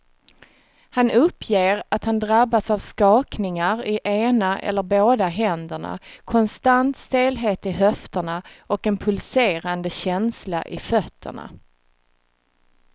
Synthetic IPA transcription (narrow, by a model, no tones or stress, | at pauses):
hanʔɵpʰːjeːɾat̪hand̪ɾabːasavskɑːknɪŋaɾɪʔeːnaʔɛ̰lːəɾboːd̪aɦɛnd̪əɳa̰kʰɔnst̪ant̪st̪eːlɦeːt̪ɪɦœft̪əɳaʔɔkɛnpʰɵlseːɾand̪əɕɛnsla̰ʔɪfœt̪ʰːə̰ɳa̰